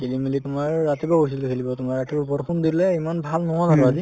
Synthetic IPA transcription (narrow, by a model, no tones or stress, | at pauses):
kilimilitʊmaɹːatibɔkos̬ildekʰilibɔtʊmaɹatiɹupɔɾxʰundilɛimanbʱalnɔɦazanɔ̃azi